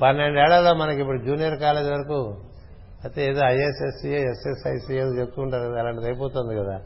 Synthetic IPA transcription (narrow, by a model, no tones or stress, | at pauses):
pɐnːe̞ɳɖɛːɭːɐloːmɐnɐkip̬ːuɽud͡ʒuːnijɐɾkaːleːd͡ʒiʋɐɾɐku | ɐt̪eːeːd̪oːɐjesesieesesɐjsieːd̪oːt͡ʃep̚t̪uːɳʈaːɾukɐd̪aːlaːɳʈit̪ɐjipoːt̪oːnd̪ikɐd̪a̰ː